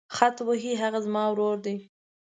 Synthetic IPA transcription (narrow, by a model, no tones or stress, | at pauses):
xat̪wəɦiɦaɣazmɑwɾoɾd̪i